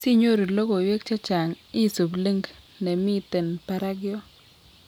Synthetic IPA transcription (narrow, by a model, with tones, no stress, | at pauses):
si˦ɲo˦ɾi˨lo˦ɡo˨we˦k̚t͡ʃa˦t͡ʃa˨ŋ | ɪ˦˨so˨ble˦ŋɡ | nɛ˨mi˦t̪e˨npa˦ɾa˦ɡɪ˦ɔ˦